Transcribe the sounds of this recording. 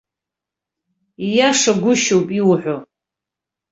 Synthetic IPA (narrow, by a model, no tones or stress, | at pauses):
ijaʂaɡʷʊʃowpʼiwħʷo